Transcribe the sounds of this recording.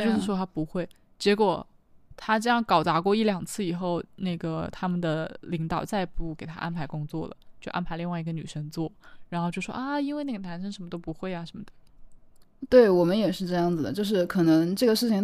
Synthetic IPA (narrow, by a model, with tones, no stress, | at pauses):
t͡ɕjʊʂɻ̩˥˩ʂwɔ˥t̪ʰa˥pu˧˥xwe˥˩ɪ | t͡ɕjɛ˧˥kwɔ˨˩ | t̪ʰa˥ʈ͡ʂɤ˥˧jɑ˥˩ŋkɑ˨˩ʊt͡sa˧˥kwɔ˥˧i˥˩ljɑ˨˩ŋt͡sʰɹ̩˥˩i˨˩xo˥˧ʊna˥˩ɡə˩t̪ʰa˥mə˨nd̪ə˩li˧˥ŋt̪ɑ˨˩ʊt͡sa˥˧ɪpu˥˩ke˨˩ɪt̪ʰa̰˥ʔa̰˥npʰa˧˥ɪkʊ˥ŋt͡swɔ̰˥˩lə̰˩t͡ɕjo˥˧ʊʔa̰˥npʰa˧ɪli˥˧ŋwi˧˥ɡə˧ny˨˩ʂə˥ŋt͡swɔ˥˩ɻa˧˥nxo˥˧ʊt͡ɕjo˥˧ʊ˩ʂwɔ̰˥ʔa˥˩i˥nwe˥˧ɪna˥˩ɡə˩nʰa˧˥nʂə˥ŋʂə˧˥nmə˧t̪o˥ʊpu˧˥xwe˥˩ɪa˩ʂə˧˥nmə˧˩d̪ə̥˩ | t̪we˥˩ɪwɔ˨˩mə˦njɛ˨˩ʂɻ̩˥˧ʈ͡ʂɤ˥˧jɑ˥˩ŋd͡zɹ̩˩d̪ə̰˩t͡ɕjo˥˧ʊʂ̬ɻ̩˥˩kʰɤ˨˩nɤ˧˥ŋʈ͡ʂɤ˥˩ɡə˩ʂɻ̩ʰ˥˩i˨˩ŋ